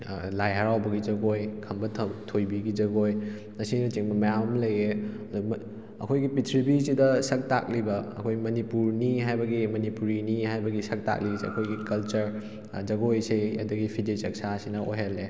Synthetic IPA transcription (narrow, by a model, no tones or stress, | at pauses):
lajɦɐɾawbɐɡid͡ʒɐɡojkʰɐmbɐtʰɐtʰojbiɡid͡ʒɐɡoj | nɐsinɐt͡ʃiŋmɐmɐjamɐmlɐje | du | ɐ̰kʰojɡipitʰɾibisidɐsɐk̚ta̰k̚libɐ̰ːkʰojmɐnipuɾniɦajbɐɡimɐnipuɾiniɦajbɐɡisɐk̚ta̰k̚lisiɐ̰kʰojɡikɐlt͡ʃɐɾ | d͡ʒɐɡojsijɐ̰dɐɡipʰidit͡ʃɐk̚sasinɐʔojɦalːe